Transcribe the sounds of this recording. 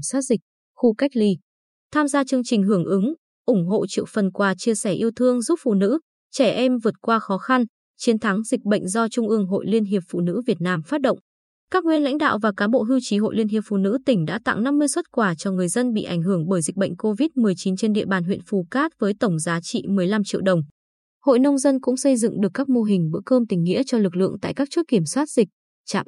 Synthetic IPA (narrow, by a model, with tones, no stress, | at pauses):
saː˦˥t̚zï˨˩k̚ | xu˧ka˦˥jk̚li˨˧˦ | t̪ʰaː˧mzaː˧t͡ɕɨ˧əŋt͡ɕï˨˩ŋ̟ɦɨ˧˩əŋʔɨ˨˦ŋ | ʔʊ˧˩ŋ͡mɦo̰˧˨t͡ɕɨ̰˧˨ək̚fə˨˩nkwaː˨˩t͡ɕi˧əsɛ˧˩ʔi˧əwt̪ʰɨ˧əŋzu˦˥p̚fṵ˧˨nɨ̰˧˥ | t͡ɕɛ˧˩ʔɛ˧mvɨ˨˩ət̚kwaː˧xɔ˨˦xa˧n | t͡ɕi˨˦nt̪ʰa˨˦ŋzï˨˩k̟̚ɓə̰˧˨jŋ̟zɔ˧t͡ɕʊ˧ŋ͡mʔɨ˧əŋɦo̰˧˨jli˧ənɦi˨˩əp̚fṵ˧˨nɨ̰˧˥vi˨˩ət̚naː˧mfaː˦˥t̚ɗə̰˧˨wŋ͡m | kaː˦˥k̚ŋwḭ˧˨ənla̰˧˥jŋ̟ɗa̰ː˧˨wvaː˨˩kaː˨˦ɓo̰˧˨ɦi˧wt͡ɕi˨˦ɦo̰˧˨li˧ənɦi˨˩əp̚fṵ˧˨nɨ̰˧˥t̪ï˧˩ŋ̟ɗa̰ː˧˥t̪a̰˧˨ŋna˧mːɨ˧əjswt̚kwaː˧˩t͡ɕɔ˧ŋɨ˨˩əjzə˧nɓḭ˧˨ʔa˧˩jŋ̟ɦɨ˧˩əŋɓəː˧˩jzi˨˩k̟̚ɓə̰˧˨jŋ̟ko˧vi˦˥t̚mɨ˨˩əjt͡ɕi˨˦nt͡ɕe˧nɗḭ˧˨əɓaː˨˩nɦwḭ˧˨nfu˨˩kaː˦˥t̚vəː˨˦jt̪ə˧˩wŋ͡mzaː˨˦t͡ɕḭ˧˨mɨ˨˩əjla˧mt͡ɕḭ˧əwɗə˨˩wŋ͡m | ho̰˧˨jnə˧wŋ͡mzə˧nkʊ̰˧˥ŋ͡msə˧jzɨ̰˧˨ŋɗɨ˨˩əkːaː˦˥k̚mo˧ɦï˨˩ŋ̟ɓə̰˧˥əkəː˧mt̪ï˨˩ŋ̟ːḭ˧˥ət͡ɕɔ˧lɨ˨˩k̚lɨ̰˧˨əŋt̪a̰ː˧˨kaː˦˥k̚t͡ɕu˦˥ək̚i˧˩əmswaː˦˥t̚z̥ï˨˩k̟̚ | t͡ɕa̰ː˧˨m